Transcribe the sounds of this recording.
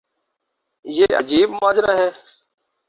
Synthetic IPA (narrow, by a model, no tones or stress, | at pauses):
jeːʔəd͡ʒiːbmaːd͡ʒɾaːɦeː